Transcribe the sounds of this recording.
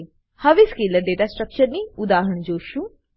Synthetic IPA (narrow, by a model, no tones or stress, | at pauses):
həʋiskiləɾɖeʈasʈɾək̚t͡ʃəɾniud̪aɦəɳd͡ʑoːʃu